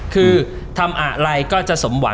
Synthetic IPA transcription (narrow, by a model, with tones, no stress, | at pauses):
kʰɯː˧ | t̪ʰa˧mʔa˨˩ɾa˧jkɔː˥˩t͡ɕa˨˩ʔso˩˦mwa˩˦